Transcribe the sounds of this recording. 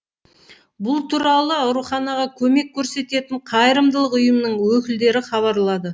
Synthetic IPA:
bʊlˠt̪ʰuɾɑlˠəɑʊwɾuχɑnɑʁɑkʲʰɵme̞kʲʰːɵɾse̞t̪e̞t̪ɪɴqʰɑjɾəmd̪əlˠəqʊjəmnəɴwɵkʲɪld̪e̞ɾɪχɑβɑɾlˠɑd̪ə

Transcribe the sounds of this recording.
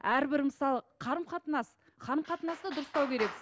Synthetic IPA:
æɾbɪɾməsɑlˠəqʰɑɾəmqʰɑt̪ənɑs | qʰɑɾəmqʰɑt̪ənɑsd̪əd̪ʊɾəst̪ɑwkʲʰe̞ɾe̞kɪ

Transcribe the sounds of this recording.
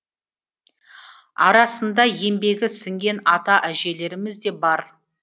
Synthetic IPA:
ɑ̰ɾɑsənd̪ɑje̞mbe̞ɡʲɪsɪŋɡʲe̞nɑt̪ɑʔæʒe̞le̞ɾɪmɪzd̪e̞bɑɾ

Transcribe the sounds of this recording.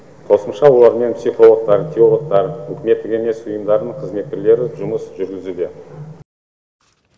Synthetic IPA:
qʰo̞səmʃɑwo̞lˠɑɾme̞npsiχo̞lˠəq̚t̪ɑɾt̪ʰʲio̞lˠoq̚t̪ɑɾɵkʲɪme̞t̪ːɪkʲe̞me̞sʊjəmd̪ɑɾnəɴqʰəzme̞t̪̚kʲɪɾle̞ɾɪʒʊməsʒʏɾɡʲɪzud̪e̞

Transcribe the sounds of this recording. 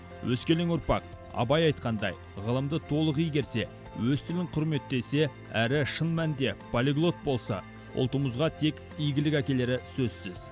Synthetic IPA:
wʔɵskʲe̞leŋʊɾpɑq | ɑ̰bɑjɑjt̪̚qɑnd̪ɑ̰j | ʁəlˠəmd̪ət̪ʰo̞lˠəqijɡʲe̞ɾse̞ | wɵzt̪ʰɪlɪŋqʰʊɾme̞t̪ːe̞se̞ | æɾɪʃənmænd̪e̞pʰolʲiɡlˠo̞t̪̚bo̞lˠsɑ̰ | ʔʊ̰lˠt̪əməzʁɑt̪ʰe̞kʲ | ijɡʲɪlɪkʲækʲe̞le̞ɾɪsɵzsɪz̥

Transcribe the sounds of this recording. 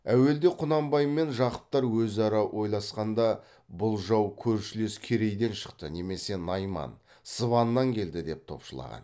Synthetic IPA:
æwe̞ld̪e̞qʰʊnɑmbɑjmːe̞nʒɑqə̥p̚t̪ɑɾwɵzɑɾɑwʔo̞jlˠɑsqɑnd̪ɑ | bʊlˠʒɑwkʲʰɵɾʃɪleskʲʰeɾe̞jd̪e̞nʃə̥qt̪əne̞me̞se̞nɑjmɑ̰n | səβɑnːɑŋkʲʰe̞ld̪ɪd̪e̞p̚t̪ʰo̞̰pʃəlˠɑ̰ʁɑ̰n

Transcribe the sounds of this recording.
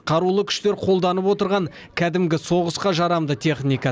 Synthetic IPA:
qʰɑɾulˠəkʲʰʏ̥ʃt̪e̞ɾqʰo̞lˠd̪ɑnəpwo̞t̪əɾʁɑŋ | kʲʰæd̪ɪmɡʲɪso̞ʁəsqɑʒɑɾɑmd̪ət̪ʰe̞χnʲijkɑ

